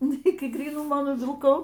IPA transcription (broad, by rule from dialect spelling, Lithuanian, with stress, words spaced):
ˈnʊ ˈɪkʲɪ ɡrʲiːˈnʊmoː nʊʋʲɪlˠˈkɐʊ